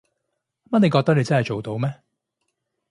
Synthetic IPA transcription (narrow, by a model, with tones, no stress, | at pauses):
m˥ne˨˧jkɔː˧k̚t̪ɐ˥ne˨˧jt͡sɐ˥hɐ˨jt͡ʃo˨wt̪o˨˥wmɛː˦˥